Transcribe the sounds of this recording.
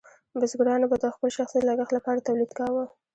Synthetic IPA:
bəzɡɽɑnabad̪əxpəlʃaxsid̪laɡaxt̪lapɑɾat̪awlid̪kɑwə

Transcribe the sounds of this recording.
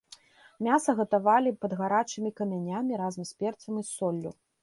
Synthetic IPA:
mʲasɐɣɐt̪avalʲipɐd̪ɣaɾat͡ʂɨmʲikɐmʲanʲamʲiɾazɐmspʲɛrt̪sɐmɨsɔlʲːṵ

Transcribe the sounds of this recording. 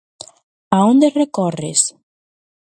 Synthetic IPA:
aond̪erekɔrḛs

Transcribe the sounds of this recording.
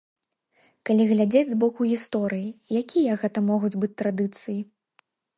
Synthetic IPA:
kalʲiɣlʲad͡zʲed͡zʲzbɔkuɣʲist̪ɔɾɨjijakʲijɐɣɛt̪ɐmɔɣud͡zʲbɨt͡sʲt̪ɾad̪ɨt̪sɨji

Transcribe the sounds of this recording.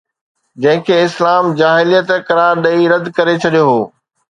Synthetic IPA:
d͡ʑɐ̃ɦɪ̃kʰeːɪslaːmd͡ʑaːɦɪlijət̪kɐɾaːɾɗɐiɾɐd̪kɐɾet͡ɕʰɐɗijoɦoː

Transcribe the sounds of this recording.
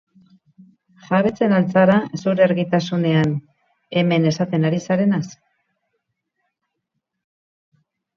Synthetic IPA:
ʝaβe̞t͡se̞nalt͡saɾasuɾeeɾɣit̪asune̞an | e̞me̞ne̞sat̪e̞naɾisaɾe̞nas

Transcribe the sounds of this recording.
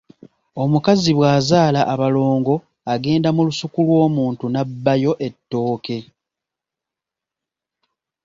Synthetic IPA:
o̞mukaziβwaːzaːlaʔːβalo̞ːŋɡo̞ | aɡe̞ːndamulusukulwo̞ːmuːntunabːajo̞ʔe̞tːo̞ːke̞

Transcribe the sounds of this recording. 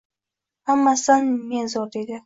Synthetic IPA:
hamːasanmenzɒt̪ed̪ɪ

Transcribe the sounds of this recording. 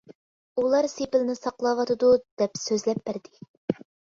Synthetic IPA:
ulˠɑɾsepɪlnɪsɑqlˠɑwɑt̪ɨd̪ud̪̥ɛpsøzlɛp̚bæɾd̪ɪ

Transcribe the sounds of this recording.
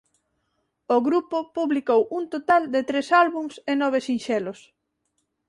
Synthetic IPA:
oɣɾupopuβlikowunt̪ot̪ald̪et̪ɾesalβuŋsenɔβ̞esinʃɛlos

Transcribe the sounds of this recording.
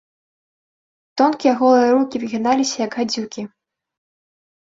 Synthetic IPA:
t̪ɔnkʲijɐɣɔlˠɨjɐɾukʲivɨɣʲinalʲisʲɐjɐɡɣad͡zʲukʲi

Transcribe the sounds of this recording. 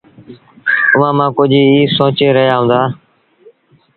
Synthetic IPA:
ʊʋãːmãːkʊd͡ʒʱiːiːsõːt͡ʃeːɾəɦjaːɦũːnd̪aː

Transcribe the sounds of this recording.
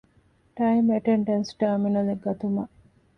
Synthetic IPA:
ʈɐjmeʈeɳɖɐnsʈɐɾminɐleɡɐt̪umɐʔ

